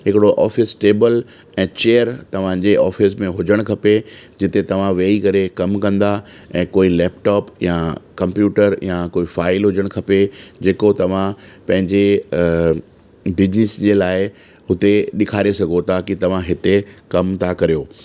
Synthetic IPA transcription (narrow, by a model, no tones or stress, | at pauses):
ɦɪkɪɽoʔɔːfɪsʈeːbəl | ɛ̃ːt͡ɕeːəɾt̪ɐʋ̤ãd͡ʑeʔɔːfɪsmẽɦʊd͡ʑəɽ̃kʰɐped͡ʑɪt̪et̪ɐʋ̤ãʋeːikɐɾekɐmkɐ̃nd̪aɛ̃ːkoːilɛːpʈɔːpjakɐ̃mpjuːʈəɾjakoːifaːɪlɦʊd͡ʑəɽ̃kʰɐped͡ʑeːkot̪ɐʋ̤ãpɐ̃ɦɪ̃ɲd͡ʑe | bɪd͡ʑnɪsd͡ʑelaːɪ | ɦʊt̪eɗɪkʰaːɾesɐɡʱot̪ʰaːkit̪ɐʋ̤ãɦɪt̪ekɐmt̪ʰakɐɾijoː